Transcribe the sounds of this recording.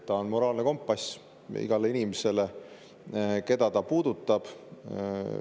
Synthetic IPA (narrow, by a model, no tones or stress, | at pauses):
t̪ːɑonmo̞ɾɑːlneko̞mpːˑɑs | ḭɡ̥ɑleinimese̞le̞ | ke̞d̪̥ɑt̪ɑpuːd̪̥ut̪ːˑɑb̥